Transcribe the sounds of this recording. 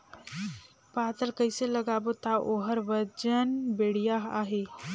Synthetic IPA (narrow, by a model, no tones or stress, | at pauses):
paːt̪əlkəɪseləɡaːbot̪aʔoːɦəɾʋəd͡ʒənbeːɽ̤ijaɦa̰ːɦe